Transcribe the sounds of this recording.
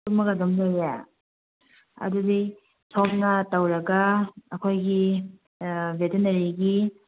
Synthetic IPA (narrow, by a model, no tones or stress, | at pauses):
uk̚mɐkɐdomlojje | ɐ̰dudi | tʰok̚nɐtɐwɾɐɡɐːkʰojɡi | betenɐɾiɡi